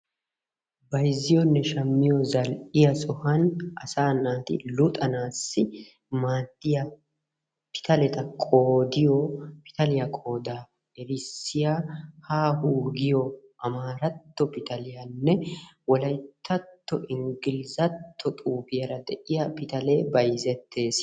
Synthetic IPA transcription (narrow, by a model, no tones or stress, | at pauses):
bɐjzɪjɔnːɛʃɐmːɪjɔzɐlɪjɐsʼɔhɐnʔɐ̰saːnaːt̪ɪ̰lʊt̪ʼɐnaːsːɪ | maːd̪ːɪjɐ | pɪ̥t̪ɐlɛt̪ɐkʼoːd̪ɪjɔpɪ̥t̪ɐlɪjɐkʼo̞ːd̪aː | ɛɾɪsːɪjaːhaːhuːɡɪjɔ | ʔɐmaːɾɐt̪ːɔpɪt̪ɐlɪjɐnːɛwɔlɐjt̪ʰːɐt̪ːɔʔɪŋɡɪlzɐt̪ːɔt̪ʼuːpɪjɐɾɐd̪ɛʔɪjɐpɪt̪ɐleːbɐjzɛt̪ʰːe̞ːs